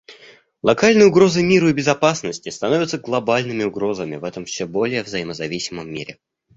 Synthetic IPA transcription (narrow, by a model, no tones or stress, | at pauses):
lˠɐkalʲnɨjʊɡɾo̞zɨmʲiɾəibʲɪzɐpasnəsʲtʲɪst̪ɐno̞vʲɪt̪səɡlˠɐbalʲnɨmʲɪʊɡɾo̞zəmʲɪ̰vɛt̪əmfsʲebo̞lʲɪjəvzɐjɪməzɐvʲisʲɪməmːʲḭɾʲɪ̰